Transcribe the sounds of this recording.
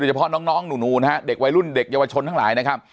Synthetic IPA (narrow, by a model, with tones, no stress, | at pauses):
o˧jt͡ɕʰa˧pʰɔ˦˥nɔː˦˥ŋnɔː˦˥ŋnuː˨˩nuː˨˩na˦˥ha˦˥de˨˩k̚wa˧jɾu˥˩nde˨˩k̚jaː˧wa˧t͡ɕʰo˧nt̪ʰa˥˩ŋlaː˩˦jna˦˥kʰa˦˥p̚